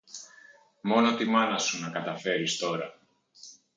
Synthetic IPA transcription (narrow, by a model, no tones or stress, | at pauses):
mo̞no̞t̪imɐnɐsunɐkɐt̪ɐfe̞ɾist̪o̞ɾɐ̰